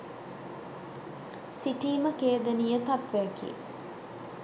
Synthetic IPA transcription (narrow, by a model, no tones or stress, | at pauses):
siʈiːməkeːd̪ənijət̪ap̪ʋejkḭː